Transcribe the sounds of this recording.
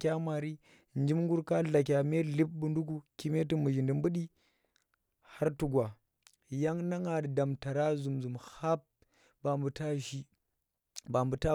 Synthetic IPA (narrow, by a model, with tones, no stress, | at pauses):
kʲa˦ma˨ɾi˦ | nd͡ʒi˦mŋɡu˦ɾka˦ɮa˨k̬ʲa˨me˦li˦p̚bu˨ndu˦k̬u˦ki˦me˦tu˦mu˨ʒi˨ndi˨m˦bu˦ɗi˦ | ha˦ɾtu˨ɡʷwa˨ | ja˦ŋna˦ŋa˨dda˨mta˨ɾa˦zu˨mzu˨mha˦p̚ | ba˨mbu˨ta˦ʃi˦ | ba˨mbu˨ta˦